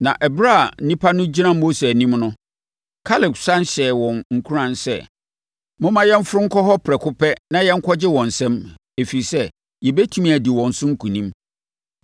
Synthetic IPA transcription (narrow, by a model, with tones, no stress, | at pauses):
nã̰˨ʔɛ˨bɾa˦˨n̩˦nĩ˦pʰa˦nʊ̃˦d͡ʑi˦nã˦mːo˦se˨æ˨nĩ˦mnʊ̃˦ | kʰa˦lɪ˨ksã˦n˦ɕɛː˨wɔ̃˨nŋ̩˨kʰu˦ɾã˨nsɛ̰˦ | mʊ̃˦mã˦jɛ˦m˦fʊ˦ɾʊ˦ŋ̩˦kʰɔ˦ɦɔ˦pʰɾɛ˨kʰʊ˦pɛ˦nã˦jɛ˦ŋ̩˦kʰɔ˦d͡ʑɪ˦wɔ̃˨n̩˨sɛ̃˦m | e˨fi˨i˨sɛ˦ | jɛ˨bɛ˦tʰi˦mĩ˦˨æ˨di˨wɔ̃˨n̩˨sʊ̃˦ŋ̩˦kʰũ˨nĩ˦m